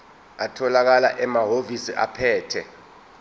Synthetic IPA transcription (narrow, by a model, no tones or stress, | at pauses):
atʰɔlak̬alaʔɛmaɦovisiʔapʰɛːtʰɛ